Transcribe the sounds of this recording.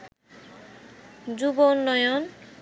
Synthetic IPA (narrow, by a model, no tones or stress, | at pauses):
d͡ʑubounːɔjon